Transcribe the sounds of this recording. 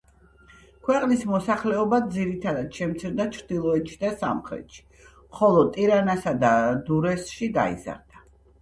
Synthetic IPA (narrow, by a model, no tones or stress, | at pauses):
kʰwɛqʼnismɔsaχlɛɔbad̪ziɾit̪ʰad̪ad̪ʃɛmt̪sʰiɾd̪at͡ʃʰɾd̪ilˠɔɛt̪ʃʰid̪asa̰mχɾɛ̰t̪ʃi̥ | mχɔlˠɔt̪ʼiɾanasad̪ad̪uɾɛsʃiɡa̰ḭza̰ɾd̪̥a